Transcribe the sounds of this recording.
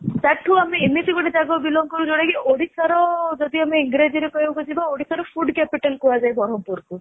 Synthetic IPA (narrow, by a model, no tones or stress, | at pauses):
t̪aʈʰuameːmitiɡɔɽed͡ʒaɡɔbilɔŋkɔɾud͡ʒoɽakiʔoɽisaɾɔd͡ʒɔd̪iameiŋɡɾed͡ʒiɾekɔɦibkɔd͡ʒibaoɽisaɾɔfʰuɖkɛpiʈelkuad͡ʒajbɔɽɔmpuɾku